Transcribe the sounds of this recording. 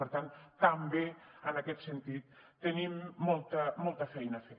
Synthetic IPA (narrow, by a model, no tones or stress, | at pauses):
əɾt̪ant̪əmbeənəkɛt̪sənt̪it̪ːənimːɔlˠt̪əmɔlˠt̪əfɛjnəfe